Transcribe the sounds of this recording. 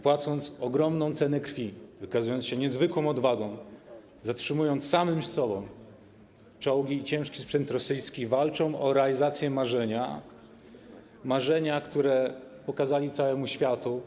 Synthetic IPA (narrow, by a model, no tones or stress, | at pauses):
pwat̪sɔnt̪sɔɡɾɔmnɔ̃w̃t̪sɛnɛkɾfʲivɘkazujɔnsɕɛɲɛzvɘkwɔ̃w̃ɔd̪vaɡɔ̃w̃ | zatʂɘmujɔnt̪ssamɘmsɔbɔ̃w̃ | t͡ʂɔwɡʲiːt͡ɕɛ̃w̃ʂkʲi̥spʂɛnt̪ɾɔsɘjskʲivalt͡ʂɔ̃w̃ʔɔɾɛalʲizat̪sʲjɛmaʐɛɲa | maʐɛɲakt̪uɾɛpɔkazalʲit̪sawɛmuɕfʲjat̪u